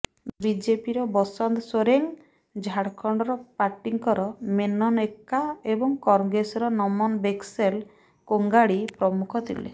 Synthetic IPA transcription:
bid͡ʒepiɾɔbɔsɔnd̪soɾeŋ | d͡ʒʱaɽkʰɔɳɖɔɾɔpaʈiŋkɔɾɔmenɔnekːaebɔŋkɔɾŋɡɾesɔɾɔnɔmɔnbeksel | koŋɡaɽipɾɔmukʰɔt̪ʰḭlḛ

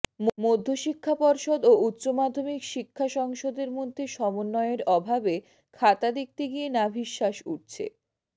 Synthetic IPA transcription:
mmod̪ʱːoʃikʰːapɔɾʃod̪out̪ːɕomad̪ʱːomikʃikʰːaʃɔŋʃod̪eɾmod̪ʱːeʃɔmonːɔeeɾɔbʱabe | kʰat̪ad̪ek̚t̪eɡijenabʱiʃːaʃṵʈ̚t͡ɕʰḛ

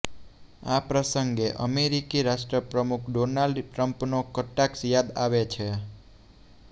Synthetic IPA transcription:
apɾəsəŋɡeʔəmeɾikiɾaʃʈɾəpɾəmukʰɖonalɖʈɾəmpnokəʈːaksjad̪aʋet͡ʃʰe

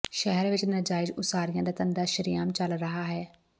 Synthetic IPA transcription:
ʃɛɦɛɾʋɪt͡ʃnəɾd͡ʒaːɪd͡ʒʊsaːɾijãːd̪aːt̪ənd̪aːʃəɾɪjaːmt͡ʃəlɾəɦaːɦɛː

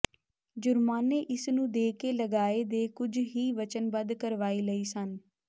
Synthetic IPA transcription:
d͡ʒʊɾmaːneːʔɪsnũːd̪eːkeːləɡaːeːd̪eːkʊd͡ʒɦiːʋət͡ʃənbəd̪kəɾʋaːiːləiːsən

